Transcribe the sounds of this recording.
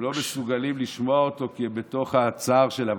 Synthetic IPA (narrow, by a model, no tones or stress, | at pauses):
lo̞mesuɡalimliʃmo̞aot̪o̞kebet̪o̞χhat͡saʁʃe̞lav